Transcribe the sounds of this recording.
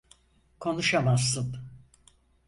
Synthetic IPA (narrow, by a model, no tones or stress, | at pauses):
kʰo̞nuʃamasːɯm